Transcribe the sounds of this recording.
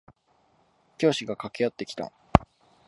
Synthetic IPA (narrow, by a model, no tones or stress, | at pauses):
kʲo̞ːɕiɡakake̞jat̪ːe̞kʲi̥t̪a̰